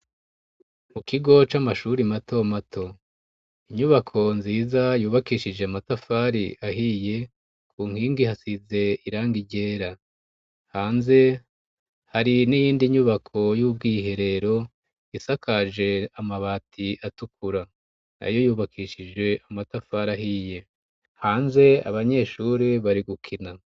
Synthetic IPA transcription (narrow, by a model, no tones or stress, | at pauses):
mukiɡo̞t͡ʃamaʃuɾimatʰo̞matʰo̞ | iɲuβakʰo̞nziːzajuːβakiːʃid͡ʒe̞amatafaɾiʔaɦije̞ | kʰuːŋ̥hiːŋɡihasize̞iɾaːŋɡiɟe̞ːɾa | haːnze̞ | haɾinijiːndiɲuβakʰo̞jub̚ɡiːɦe̞ɾe̞ɾo̞ | isakʰaʒe̞amaβaːtʰiatukʰuɾa | na̰jo̞juːβakʰiːʃid͡ʒɡwe̞amatafaɾaɦiːje̞ | haːnze̞a̰βaɲe̞ʃuːɾiβaɾiɡukʰina